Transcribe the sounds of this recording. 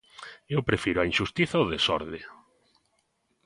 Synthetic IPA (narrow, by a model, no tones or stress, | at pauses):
ewpɾefiɾʊainʃust̪iθaoðesɔ̰ɾðɪ